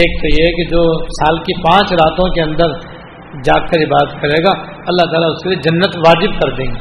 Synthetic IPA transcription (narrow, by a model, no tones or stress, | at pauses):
eːk̚t̪ojeɦɛked͡ʒoːsaːlkipãːt͡ʃɾaːt̪õkeɐ̃nd̪əɾ | d͡ʒaːkkəɾɪbaːd̪ət̪kɐɾeːɡaː | ɐlːaɦt̪aːlaʊskelied͡ʒɐnːət̪ʋaːd͡ʒɪb̚kɐɾd̪ẽːe